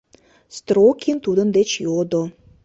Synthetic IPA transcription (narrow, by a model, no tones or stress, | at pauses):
st̪rokʰʲint̪ud̪ə̆nd̪et͡ɕjod̪o